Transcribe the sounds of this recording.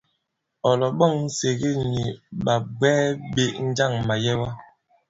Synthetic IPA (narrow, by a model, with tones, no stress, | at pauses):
ɔ˨lɔ˨ɓɔ˦˨ŋn̩˦se˨ɣe˦ɲi˨ɓa˨bɛː˦ɓe˦˨ʔn̩˦d͡ʒa˦˨ŋma˨jɛ˦wa˦